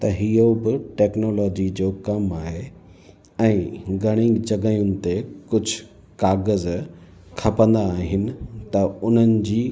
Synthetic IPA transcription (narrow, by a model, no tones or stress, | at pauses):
t̪ɐɦijobɪʈeːknoːlɔːd͡ʑid͡ʑoːkɐmaːɦe | ɛ̃ːɡʱɐɽ̃ĩŋɡd͡ʑɐɡaːijʊnɪ̆t̪ekʊd͡ʑʱʊ | kaːɣəz | kʰɐpə̃nd̪aːɦɪnɪ̆t̪ɐʊn̤ənɪ̆d͡ʑiː